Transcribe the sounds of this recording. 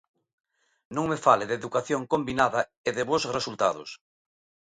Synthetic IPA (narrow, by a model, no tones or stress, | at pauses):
nõŋmefaleðeðukaθjoŋkombinaðɐeðɪβosresult̪a̰ðʊ̰s